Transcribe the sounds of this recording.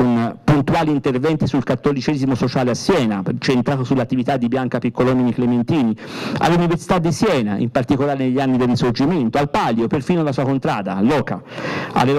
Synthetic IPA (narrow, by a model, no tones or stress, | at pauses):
unpunt̪uaːliːnt̪ervɛnt̪isulkat̪ːolit͡ʃɛzimosot͡ʃaːleasːjɛːnat͡ʃent̪ɾaːt̪osulːat̪ːivit̪ad̪ːibjaŋkapikːolominiklement̪iːnia̰lːuniversi̥t̪ad̪ːisjɛːna̰ʔḭmpart̪ikolaːɾeneʎːianːid̪erːisord͡ʒiment̪oalpaljoperfiːnoalasuːakont̪ɾaːd̪a̰lːɔːka̰a̰lːel